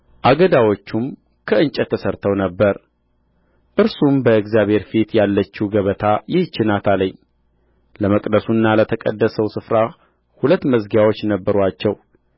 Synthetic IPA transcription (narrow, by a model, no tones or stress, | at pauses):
ʔaɡəd̪awo̞t͡ʃːum | kʰəɨnt͡ʃʼət̪ʰːəsəɾt̪ʰəwnəbːəɾ | ʔɨɾsumbəɨɡzjaβhe̞ɾfit̪jalːət͡ʃːuɡəβət̪ʰajɪht͡ʃːɪnat̪ʰaləɲː | ləməkʼd̪əsunːalət̪ʰəkʼə̰d̪ːəsəwsɨfɾa | hulət̪ːməzɡjawo̞t͡ʃːnəbːəɾat͡ʃːɛw